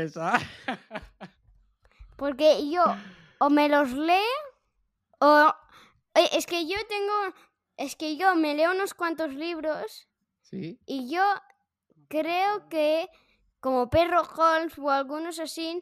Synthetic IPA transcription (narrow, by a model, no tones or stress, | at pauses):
esa | po̞ɾke̞ʝoː | me̞lo̞zle̞ | o | eʔeske̞ʝo̞t̪e̞ŋɡo | eskeʝo̞me̞le̞uno̞skwant̪o̞zliβ̞ɾo̞s | siiʝo | kɾe̞oke | ko̞mo̞pe̞roxolfoalɣuno̞s̬asi